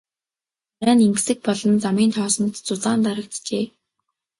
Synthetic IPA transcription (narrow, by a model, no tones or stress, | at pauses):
mæːnimk̆sɘ̆k̚pɔɮɞ̆nt͡samiːnt̪ʰɔːsɞ̆nt̪t͡sʊɮaːnt̪aɾə̆k̚t̪t͡ɕeː